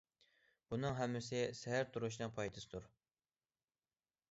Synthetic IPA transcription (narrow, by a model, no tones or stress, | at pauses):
b̥unɨŋɦɛmːɪs̬ɪsɛɦæɾt̪ʰuɾuʃ̬nɨŋpʰɑjt̪ʰɨsɨd̪uɾ